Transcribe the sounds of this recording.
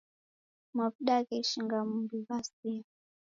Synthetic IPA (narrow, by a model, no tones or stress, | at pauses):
mapɗakɛiʃiŋɡamumbiβasia